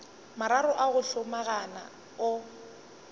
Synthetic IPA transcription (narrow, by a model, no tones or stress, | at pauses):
maɾaɾʊʔaɣʊɬʊmaɣana̰ | ʊ